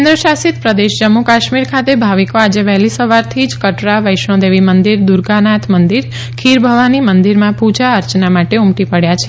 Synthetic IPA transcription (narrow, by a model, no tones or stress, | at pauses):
nd̪ɾəʃasit̪pɾəd̪eʃd͡ʒəmːukaʃmiɾkʰat̪ebʱaʋikoad͡ʒeʋɛɦlisəʋaɾt̪ʰid͡ʒkəʈɾaʋəjʃɳõd̪eʋimənd̪iɾd̪uɾɡanat̪ʰmənd̪iɾ | kʰiɾbʱəʋanimənd̪iɾmãpud͡ʒaəɾt͡ʃnamaʈeumʈipəɽjat͡ʃʰe